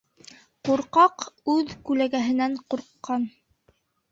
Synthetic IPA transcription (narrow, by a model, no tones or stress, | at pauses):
quɾqɑqʉðkʉlæɡæɦɘ̆næɴquɾqːɑn